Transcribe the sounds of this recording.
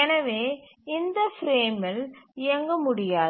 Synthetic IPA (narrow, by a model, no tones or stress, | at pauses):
ɛnɐʋeː | ɪnd̪ɐfɾeːmɐlɪjɐŋɡɐmʊɽɪjaː